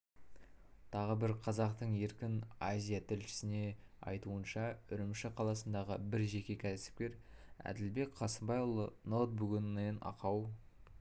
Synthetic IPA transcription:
t̪ʰɑʁəbɪɾqʰɑzɑqt̪əɴe̞ɾkʲɪnazʲijat̪ʰɪlʃɪ̥sɪne̞ɑ̰jt̪uənʃɑʏɾɪmʃɪqʰɑlˠɑsənd̪ɑʁəbɪɾʒe̞kʲe̞kʲʰæsɪ̥p̚kʲe̞ɾæ̰d̪ɪlbe̞kqʰɑsəmbɑjʊlˠənot̪̚buɡʲnːenɑ̰qɑw

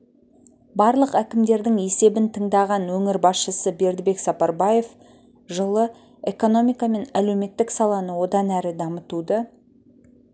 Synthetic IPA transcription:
bɑɾlˠəqækʲɪmd̪e̞ɾd̪ɪŋe̞se̞bɪnt̪ʰəɴd̪ɑʁɑnwɵŋɪɾbɑsʃəsəbe̞ɾd̪ɪbe̞ksɑpɑɾbɑje̞f | ʒəlˠə | e̞ko̞no̞mijkame̞nælewme̞t̪ːɪksɑlˠɑnəwo̞d̪ɑnæɾɪd̪ɑmət̪ud̪ə

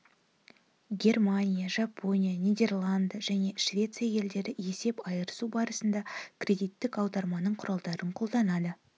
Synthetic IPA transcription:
ɡʲe̞rmanʲijaʒɑpʰo̞nʲijanʲijd̪e̞rlˠand̪əʒæne̞ʃvʲe̞t̪sijaje̞ld̪e̞ɾɪe̞se̞pɑjəɾəsubɑɾəsənd̪ɑkʲʰɾʲe̞d̪ijt̪ːɪkɑwd̪ɑɾmɑnəɴqʰʊɾɑlˠd̪ɑɾəɴqʰo̞lˠd̪ɑnɑd̪ə

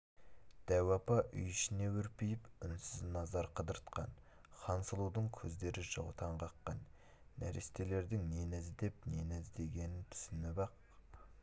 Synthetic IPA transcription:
d̪̥æwɑpɑʔʏ̰jʏʃɪne̞wɵɾpejɪpʏnsɪznɑzɑɾqʰəd̪əɾt̪qɑn | χɑnsəlˠud̪əɴkʲʰɵzd̪e̞ɾɪʒəʁt̪ʰɑɴqʰɑqːɑnː | æɾest̪e̞le̞ɾd̪ɪŋne̞næzɪd̪e̞p̚nenæzd̪e̞ɡʲe̞nɪnt̪ʰʏ̥sɪnɪbɑq̚

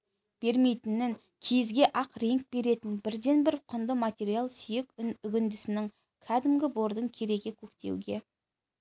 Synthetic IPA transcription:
b̥e̞ɾme̞jt̪ɪnɪŋ | kʲʰezɡʲe̞ʔɑqɾeŋk̚be̞ɾe̞t̪ɪnbɪɾd̪e̞nbɪɾqʰʊnd̪əmat̪ʲe̞ɾijalˠsʏje̞kʲʏɡʲɪnd̪ɪsɪnɪŋ | kʲʰæd̪ɪmɡʲɪbo̞ɾd̪əɴkʲʰe̞ɾe̞ɡʲe̞kʲʰɵkt̪e̞̰wɡʲe̞

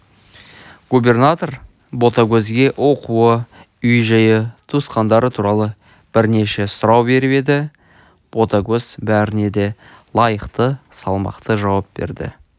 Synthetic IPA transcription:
ɡ̥ube̞rnat̪o̞ɾ | bo̞t̪aɡʲɵzɡʲe̞ʔwo̞quə | ʏjʒɑjət̪ʰusqɑnd̪ɑɾət̪ʰuɾɑlˠə | b̥ɪɾne̞ʃe̞sʊɾɑwbe̞ɾɪbe̞d̪ɪ | b̥o̞t̪aɡʲɵz̥bæɾɪne̞d̪e̞ | lˠɑjəqt̪əsɑlˠmɑ̰qt̪əʒɑwɑp̚be̞̰ɾd̪ɪ̰

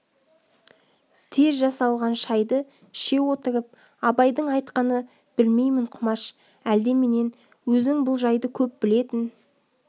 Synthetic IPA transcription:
t̪ʰe̞zʒɑsɑlˠʁɑnʃɑjd̪ə | ʃe̞wo̞t̪əɾəp̚ | ɑbɑjd̪əɴɑjt̪qɑnə | b̥ɪlme̞jmɪɴqʰʊmɑʃ | æld̪e̞me̞ne̞n | wɵzɪŋbʊlˠʒɑjd̪əkʲʰɵp̚bɪle̞t̪ɪn

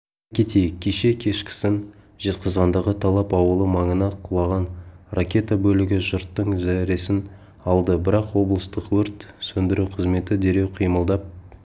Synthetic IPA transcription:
kʲʰe̞t̪ejɪk̚ʲʰːeʃe̞kʲʰe̞ʃkʲɪ̥sɪn | ʒ̥ezqɑzʁɑnd̪ɑʁət̪ʰɑlˠɑpɑwəlˠəmɑɴənɑqʰʊlˠɑʁɑnrʔakʲe̞t̪abɵlɪɡʲɪʒʊɾt̪ːəɴzæɾe̞sɪn | ɑlˠd̪əbɪɾɑqwo̞blˠəst̪əqwɵɾt̪sɵnd̪ɪɾuwqʰəzme̞t̪ɪd̪e̞ɾe̞wqʰijməlˠd̪ɑp̚

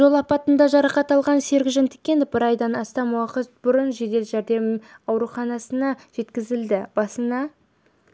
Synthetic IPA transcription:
ʒo̞lˠɑpɑt̪ənd̪ɑʒɑɾɑqɑt̪ɑlˠʁɑnse̞ɾɡʲɪʒɪnt̪ʰɪ̥kʲːe̞nd̪ɪb̥ɪɾɑjd̪ɑnɑst̪ɑmuwɑqət̪bʊɾənʒe̞d̪e̞lʒæɾd̪e̞mɑwɾuχɑnɑsənɑʒ̥e̞t̪kʲɪzɪld̪ɪb̥ɑsənɑ

